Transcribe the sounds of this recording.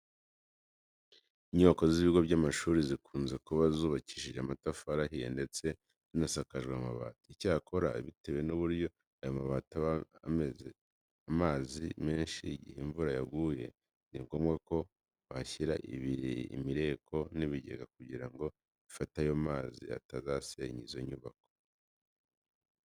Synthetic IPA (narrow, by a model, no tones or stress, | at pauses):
iɲo̞ko̞ziβiɡo̞βɟamaʃuːɾizikʰuːnze̞kuβazuːβaci̥ːʃiʒeamatafaɾaɦijḛnde̞t͡se̞ | zinasakaʒɡwamaβa̰ːtaicaːkʰo̞ɾa̰βitewe̞nuβuɾjo̞ | ajomaβaːtaβa̰me̞ze | amaːzime̞ːnʃiɟḭheɱvuɾajaɡuːje̞̰ | niŋɡo̞mɡako̞ | βaçiɾaʔḭβiɾḭḭmiɾe̞ːkʰo̞niβiɟe̞̰ɡakuɟiɾaŋɡo̞ | ifatajomaːzḭa̰tazaseɲizo̞iɲuβako